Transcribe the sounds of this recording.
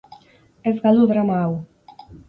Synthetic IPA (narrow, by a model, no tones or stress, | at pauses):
ɛzɣaluðɾamaw